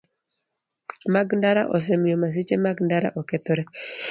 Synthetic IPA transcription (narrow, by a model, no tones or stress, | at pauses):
maɡndaɾa̰ʔɔ̰s̬ɛmjomas̬it͡ʃemaɡndaɾa̰ʔɔkɛt̪oɾɛ